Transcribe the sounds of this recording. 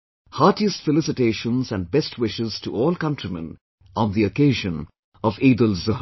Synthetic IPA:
haːʈiəstfəlɪsɪʈeːʃə̃nzæ̃n̚bɛstʰwɪʃɪz̥tʰuʔɔːlkʌ̃ntɹ̥imɛ̰̃n | ʔɔ̃nðiəkeːʒə̃n | ɔviːd̪əlzəh

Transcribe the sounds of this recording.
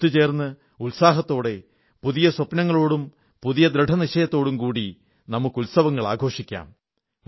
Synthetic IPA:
t̪ːɨt͡ɕe̞ːrnːɨ | ulsaːɦɐt̪ːo̞ːɽe̞ | puðijɐswɐpnɐŋːɐɭo̞ːɽum | puðijɐd̪ɾɨɖʱɐniɕɐjɐt̪ːo̞ːɽumkuːɽi | nɐmukːulsɐʋɐŋːɐɭa̰ːɡʱo̞ːʂikʲːa̰ːm

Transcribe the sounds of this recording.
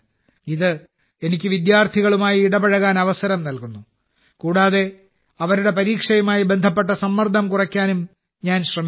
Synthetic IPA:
iðɨ | e̞nikʲːɨʋid̪jaːrt̪ʰiɣɐɭumaːjiːɽɐbɐɻɐɣaːnɐʋɐsɐɾɐmnɐlkunːu | kuːɽaːðe̞ | ɐʋɐɾuɽe̞pɐɾiːkʂɐjɐmaːjibe̞nd̪ʱɐp̬ːe̞ʈ̬ːɐsɐmːɐrd̪ʱɐmkurɐkʲːaːnum | ɲaːnɕrɐmi

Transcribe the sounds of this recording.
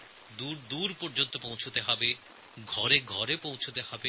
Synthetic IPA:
d̪uɾd̪uɾpoɾd͡ʑont̪opowt͡ɕʰot̪eɦɔbe | ɡʱɔɾeɡʱɔɾepowt͡ɕʰot̪ehɔbe

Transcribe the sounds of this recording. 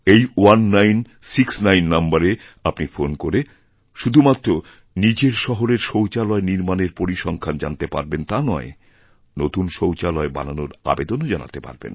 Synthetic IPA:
ejwanːajn | siksnajnːambaɾe | apnifonkoɾe | ʃud̪ʱumat̪ːɾo | nid͡ʑeɾʃɔɦoɾeɾʃowt͡ɕalɔeniɾmaneɾpoɾiʃɔŋkʰand͡ʑa̰nt̪epaɾbent̪anɔe | not̪unʃowt͡ɕalɔeba̰nanoɾa̰bed̪onod͡ʑana̰t̪epa̰ɾbḛn

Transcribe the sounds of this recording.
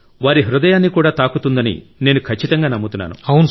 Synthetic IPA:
ʋaːɾiɦɾud̪ɐjaːnːikuːɽaːt̪aːkut̪und̪ɐnḭ | ne̞ːnukʰɐt͡ʃːit̪ɐŋɡaːnɐmːut̪unːa̰ːnṵɐwn

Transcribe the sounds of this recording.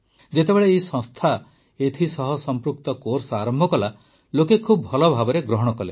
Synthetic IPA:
d͡ʒet̪ebeɭeːisɔ̃st̪ʰa | et̪ʰisɔɦɔsɔmpɾuk̚t̪ɔkoɾsɔaɾɔmbʱɔkɔla | lokekʰubːʱɔlɔbʱabɔɾeɡɾɔɦɔɽ̃ɔkɔle

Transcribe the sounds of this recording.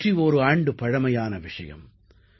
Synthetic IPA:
rioɾɯaːɳɖɯpɐɻɐmɐjaːnɐʋɪʂɐ̰jɐ̰m

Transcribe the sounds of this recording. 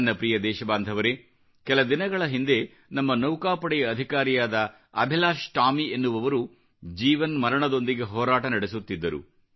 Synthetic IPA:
nːɐpɾiːjɐd̪ɛːʃɐbaːnd̪ʱɐʋɐɾe | kɛlɐd̪inɐɡɐɭɐɦind̪e̞ | nɐmːɐnɐwkaːpɐɽɛjɐːd̪ʱikaːɾijaːd̪ɐ | ɐ̰bʱilaːʃʈaːmienːuʋɐʋɐɾu | d͡ʒiːʋɐnmɐɾɐɳɐd̪o̞nd̪iɡe̞ɦɔːɾaːʈɐnɐɽesut̪ːid̪ːɐɾṵ

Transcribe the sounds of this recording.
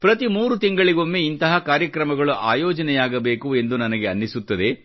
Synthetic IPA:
pɾɐt̪imuːɾut̪iŋɡɐɭiɡo̞mːeint̪ɐɦɐkaːɾjɐkɾɐmɐɡɐɭuʔa̰ːjɔːd͡ʒɐnɛjaːɡɐbe̞ːkue̞nd̪unɐnɐɡeɐnːisut̪ːɐd̪e̞

